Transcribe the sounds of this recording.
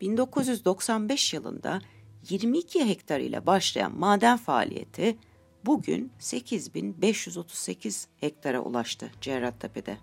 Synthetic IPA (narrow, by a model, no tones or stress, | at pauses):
b̥ind̪o̞kʰuzjyzd̪o̞ksanbɛʃjɯlˠɯ̰nd̪a̰jiɾmiːcʰiɦɛct̪ʰaɾɯ̰jlʲˠa̰baʃlˠaja̰nmaːd̪ænfaːlʲḭje̞̰t̪ʰi | buɟy̰nse̞cʰizbinbɛʃjyzo̞t̪ʰu̥zse̞cʰiz̥hɛc̚t̪ʰaɾa̰ʔṵlˠaʃt̪ʰɯd͡ʒeaɾat̪ʰːapʰed̪ɛ